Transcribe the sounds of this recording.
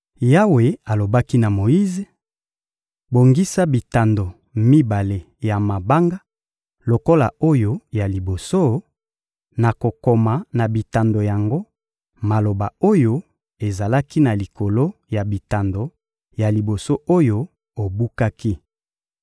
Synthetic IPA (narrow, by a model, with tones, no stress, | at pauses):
ja˦we˨a˨lo˨ba˦ki˦na˨mo˨ji˦ze˨ | bo˨ŋɡi˦sa˦bi˨ta˨ndo˨ | mi˦ba˨le˨ | ja˨ma˨ba˦ŋɡa˦ | lo˨ko˦la̰˨o˦jo˦ja˨li˨bo˨so˦ | na˨ko˨ko˨ma˨na˨bi˨ta˨ndo˨ja˨ŋɡo˦ | ma˨lo˨ba˨o˦jo˦ | e˨za˨la˦ki˦na˨li˨ko˨lo˦ja˨bi˨ta˨ndo˨ | ja˨li˨bo˨so˦ʔo˦jo˦ | o˨bu˦ka˦ki˦